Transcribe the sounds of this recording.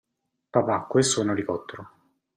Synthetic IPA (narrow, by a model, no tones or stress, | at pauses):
papakːwesːunoɾikɔt̪ːɾo